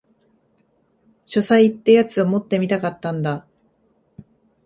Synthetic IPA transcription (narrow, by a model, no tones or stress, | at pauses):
ɕo̞saiːt̪ːejat͡sɨomo̞t̪ːe̞mʲit̪akat̪ːãnd̪a